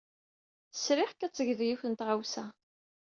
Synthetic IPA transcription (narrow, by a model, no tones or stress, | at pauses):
θə̥sɾɪħkæt͡sːəʝðjuçənt̪ʁawsæ